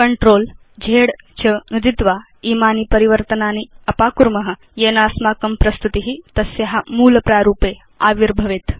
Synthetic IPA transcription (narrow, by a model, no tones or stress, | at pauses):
kəɳʈɾoːl | d͡ʑʱeɽ | t͡ɕənɐd̪it̪ʋa | iːmaːniːpəɾiʋəɾt̪ənaːniɐpaːkuɾməɦə | jenaːsmaːkəmpɾɐst̪ut̪iɦit̪ɐsjeɦamuːlpɾaːɾuːpe | aʋiɾbʱəʋet̪